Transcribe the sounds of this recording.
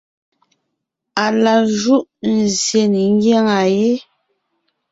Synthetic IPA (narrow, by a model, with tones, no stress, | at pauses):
a˨la˨ʒu˦ʔn̩˨zje˨ni˨ŋ˦ɡje˦ŋa˨je˦